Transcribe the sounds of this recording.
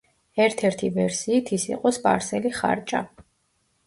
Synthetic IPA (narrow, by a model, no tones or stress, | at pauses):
ɛɾt̪ʰɛɾt̪ʰivɛɾsiːt̪ʰisḭqʼɔspʼa̰ɾsɛliχa̰ɾt͡ʃʼa